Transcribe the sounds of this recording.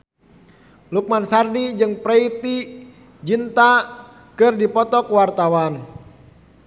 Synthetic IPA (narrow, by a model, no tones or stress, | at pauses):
luk̚mansardid͡ʒɨŋpɾɛit̪i | d͡ʒint̪a | kɨrdipɔt̪ɔkwart̪awan